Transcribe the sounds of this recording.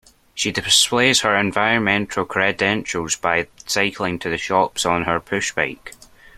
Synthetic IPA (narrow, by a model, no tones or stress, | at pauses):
ʃidɪsplˠez̥hə˞ɛ̃ɱvaɪɹə̃nmɛ̃ntʰəlˠkʰɹ̥ɛdɛ̃nt͡ʃəlˠzbaɪsaɪkʰl̩ˠɪ̃ŋtʰəðəʃɔpsn̩ə˞pʰʉʃb̥aɪk